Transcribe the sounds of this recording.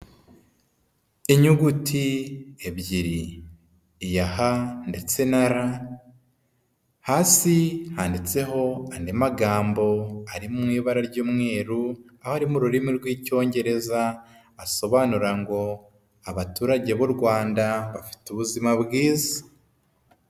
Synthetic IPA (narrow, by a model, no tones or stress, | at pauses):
iɲuɡutʰie̞βɟiɾiː | jahande̞t͡se̞naɾa | haːsihaːndit͡se̞ɦo̞andemaɡaːmbo̞aɾimumŋiːβaɾaɾɟuːmŋe̞ːɾuahoaɾimuɾuɾimiɾɡwiːco̞ːɲɟe̞ɾe̞zaː | so̞βaːnuɾaŋɡo̞ | aβatuːɾaɟe̞βuɾɡwaːndaβafi̥tuβuzimaβɡiːza